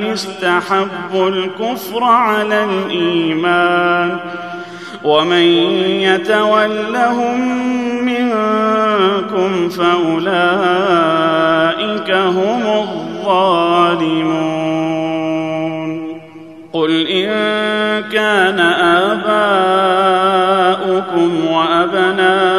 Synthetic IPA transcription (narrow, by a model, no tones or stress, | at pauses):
ʊst̪aħabːʊlkʊfɾʕalalʔiːmaːn | wamanjat̪awalːaɦʊmː | ɪn | kʊmfaʔʊlaː | ʔɪkaɦʊmʊðˤːɑːlɪmuː | n | qʊlʔɪnkaːnaʔaːbaː | ʔʊkʊmwaʔabnaː